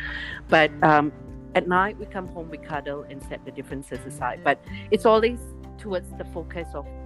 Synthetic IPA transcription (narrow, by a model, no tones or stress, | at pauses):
b̥at̚ʌ̃m | ɛt̚naɪt̚wikʰãmhõmwikʰadəlɛ̃nsɛt̚dədɪfɹə̃nsəsəsaɪd̚bat̚ɪtsɔlˠwez | tʰuwədsdəfokʰəsɔf